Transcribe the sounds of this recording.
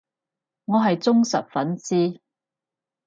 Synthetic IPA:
ŋɔː˨˧ɦɐ˨jt͡sʊ˥ŋsɐ˨p̚fɐ˨˥nt͡siː˥

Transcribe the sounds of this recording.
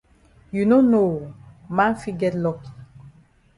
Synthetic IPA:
ju˨no˦no˨mã˦nfi˦ɡɛ˦tlɔ˦ki

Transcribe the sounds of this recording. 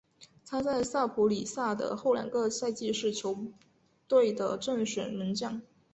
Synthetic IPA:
t̪ʰa˥t͡sa˥˧ɪsa˥˩pʰu˧˥li˨˩sa˥˩d̪ə̰˩xo˥˩ʊla̰˨˩nkɤ˥˧sa˥˧ɪt͡ɕi˥˧ʂɻ̩˥˩t͡ɕʰjo˧˥ʊ | t̪we˥˩ɪd̪ə˩ʈ͡ʂə˥˩ŋʂə˨˩nmə˧˥nt͡ɕjɑ˥˩ŋ

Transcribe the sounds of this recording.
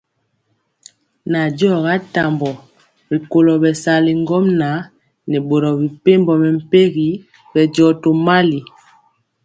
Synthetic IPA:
na˨d͡ʒɔ˦˨ɣa˦ta˨mbɔ˨ | bi˨ko˨lɔ˨bɛ˨sa˨li˨ŋ˦ɡɔ˦mna˨˦ | nɛ˨bo˨ɾɔ˨bi˨pe˦mbɔ˨mɛ˨m̩˨pe˦ɣi˨˦ | bɛ˨d͡ʒɔ˨to˨ma˦li˨

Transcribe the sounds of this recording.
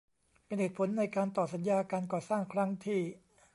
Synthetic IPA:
pe˧nheː˨˩t̪̚pʰo˩˦nːa˧jkaː˧nt̪ɔː˨˩t̪̚sa˩˦njaː˧kaː˧nkɔː˨˩saː˥˩ŋkʰɾa˦˥ŋt̪ʰiː˥˩

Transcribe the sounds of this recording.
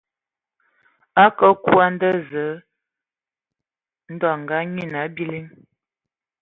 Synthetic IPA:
a˦kə˦ku˦a˦n˦də˦zə˨˦ | n̩˦dɔ˨ŋ̩˨ɡa˦ɲi˦˨na˨˦bi˦li˦ŋ

